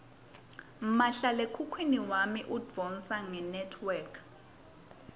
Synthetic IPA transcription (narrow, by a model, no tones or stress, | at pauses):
maɬalekʰukʰwiniwamiʔudvɔnsaŋɛnɛtʰwɛːkʰ